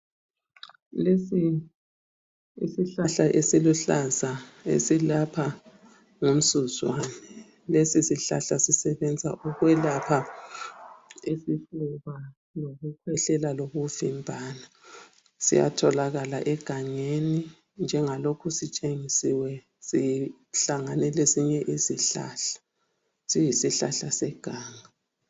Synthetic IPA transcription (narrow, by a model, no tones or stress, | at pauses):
lesi | ḭsiɬaɬaʔesiluɬazaḛsilapʰa | ŋum̩suzwanɛ | lesisiɬa̰ɬasisɛβɛnd͡zʱa̰ʔuɣwɛlapʰa | esifuβa | loɣukʰwɛɬɛlaloɣuvimbʱaːna | sḭja̰tʰɔlaɣalaʔɛɡ̥ʱaŋeni | nd͡ʒʱɛŋalokʰusit͡ʃʼeŋisiwɛ | si | ɬaŋanɛlesiɲɛʔisiɬa̰ːɬḁ | sijisiɬa̰ɬasɛɡ̥ʱaːŋa